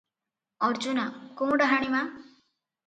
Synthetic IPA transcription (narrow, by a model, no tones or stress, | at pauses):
ʌɾd͡ʒunakumɖaɦaɽ̃imã